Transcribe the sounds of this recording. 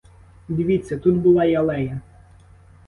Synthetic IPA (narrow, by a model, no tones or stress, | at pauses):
dʲɪʋʲit͡sʲːɐt̪ut̪bʊlˠɑjɐlˠɛjɐ